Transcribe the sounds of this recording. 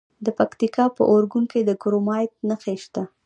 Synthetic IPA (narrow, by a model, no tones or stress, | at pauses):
d̪əpakt̪ikɑpə̰ʔoɾɡunked̪əɡɾomɑjt̪̚nəxeʃt̪a